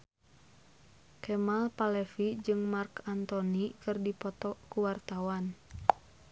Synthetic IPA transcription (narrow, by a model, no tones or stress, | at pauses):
kɛmalpalɛfid͡ʒɨŋmarkant̪ɔnikɨrdipɔt̪ɔkuwart̪awan